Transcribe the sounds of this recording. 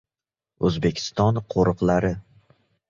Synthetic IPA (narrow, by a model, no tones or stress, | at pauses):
ɵzbe̞kʲʰɪ̥st̪ɒnqʰoɾɨqlaɾɪ